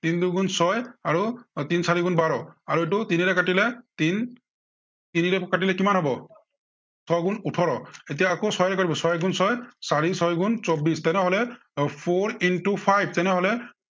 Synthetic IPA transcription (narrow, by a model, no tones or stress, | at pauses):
tinduɡunsɔjaɹutinsaɹiɡunbaɹɔaɹuet̬utiniɹɛkatilɛtin | tiniɹɛkat̬ilɛkimanɦɔbɔ | sɔjɡunutʰɔɹɔet̬ijaːkosɔjɹɛkatibɔsɔjɡunsɔjsaɹisɔjɡunsɔbistɛnɛɦɔlɛ | pʰoɹintupʰajb̚ʰʱtɛnɛɦɔlɛ